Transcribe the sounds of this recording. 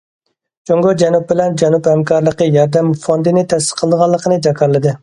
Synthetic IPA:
d͡ʒoŋɡod͡ʒɛnup̚bɪlɛnd͡ʒɛnuphɛmkʰɑɾlˠəqəjɑɾd̪ɛmfond̪ɨnɪt̪ʰɛsɪ̥qʰəlˠd̪əʁɑlˠːəqʰənɨd͡ʒɑkʰɑɾlˠɨd̪ɨ

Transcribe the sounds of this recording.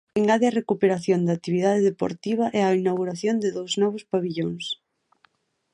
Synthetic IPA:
eŋɡaðeɐrekupeɾaθjond̪aːt̪iβiðaðeðepo̰ɾt̪iβ̞ɐʔɛainawɣuɾaθjond̪ɪðowznɔβ̞ʊspaβiʎoŋs

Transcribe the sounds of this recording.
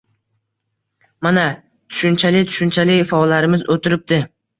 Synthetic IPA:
mana | t̪ʰʊ̥ʃʊnt͡ʃʰalɪt̪ʰʊ̥ʃʊnt͡ʃʰalɪfaɒlːaɾɪmɪzot̪ʰɪɾɪp̚d̪ɪ

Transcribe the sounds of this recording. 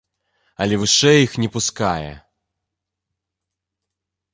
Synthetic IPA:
ɐlʲɛvɨʂɛjixnʲɛpuskajɛ̰

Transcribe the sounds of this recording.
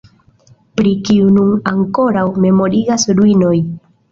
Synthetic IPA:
pɾikiununaŋko̞ɾawme̞mo̞ɾiɡasɾuino̞j

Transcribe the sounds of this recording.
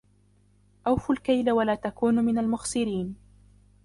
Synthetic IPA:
ʔawfʊlkajlawalaːt̪akuːnmɪnalmʊxsˤɨɾiːn

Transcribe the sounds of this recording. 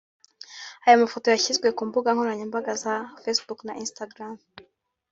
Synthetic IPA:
ajomafo̞to̞jaçizɡwe̞kuːmbuɡaŋhoɾaɲembaɡazafesbuknaʔinstaɡɾam

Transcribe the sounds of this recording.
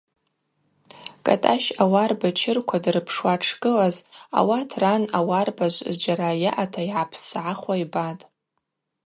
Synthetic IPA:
kʼa̰tʼaʃawarbat͡ʃʰɪrkʷʰadrɨpʰʂwaʈ͡ʂʰɡʼɨlaza̰watʰranawarbaʒʷzd͡ʒaɾajaʔatʰaiʕapʰsʕaχwaibatʼ

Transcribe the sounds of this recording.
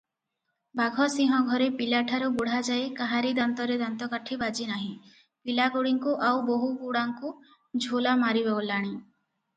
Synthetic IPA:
baɡʱɔsiɦɔɡʱɔɾepilaʈʰaɾubuɽ̤ad͡ʒaekaɦaɾid̪ant̪ɔɾed̪ant̪ɔkaʈʰibad͡ʒinaɦĩ | pilaɡoɽiŋkuʔawboɦukuɽaŋku | d͡ʒʱolamaɾiβaolaɽ̃ĩ

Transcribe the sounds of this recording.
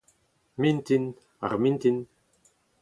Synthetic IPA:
mint̪in | a̰ʁmint̪in

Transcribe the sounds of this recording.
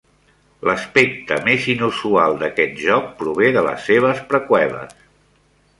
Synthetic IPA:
ləspek̚t̪əmezinusualˠd̪əkɛt̪̚ʒɔk̚pɾuβ̞eðələ̰sːeβ̞əspɾəkwɛβə̰s

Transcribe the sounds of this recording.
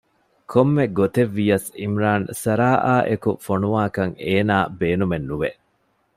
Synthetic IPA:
kʰomːeɡot̪eʋːijɐsimɾaːnsɐɾaːʔaːʔekufonuʋaːkɐŋeːnaːbeːnumenːuʋeʔ

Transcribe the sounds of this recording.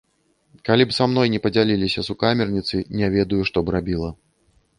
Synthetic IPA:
kalʲipsamn̪ɔjnʲɛpɐd͡zʲalʲilʲisʲɐsukamʲɛrnʲit̪sɨnʲɛvʲɛd̪ujuʂt̪ɔbɾabʲilˠɐ

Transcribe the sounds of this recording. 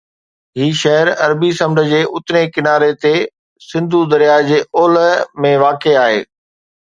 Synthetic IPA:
ɦiːʃɐɦəɾɐɾbisɐ̃mɖə̆d͡ʑeːʔʊt̪nekɪnaːɾet̪e | sɪ̃nd̪ʱud̪ɐɾjaːd͡ʑeːʔoːləmẽʋaːkeaːɦḛː

